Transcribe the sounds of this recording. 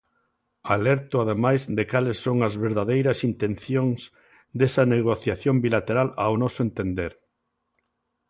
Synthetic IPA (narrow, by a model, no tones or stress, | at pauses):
alɛɾt̪ʊaðemajzd̪ekalesːoŋɐzβeɾðaðejɾɐsint̪enθjoŋz | d̪esɐneɣ̞oθjaθjombilat̪eɾala̰wnɔsʊent̪end̪eɾ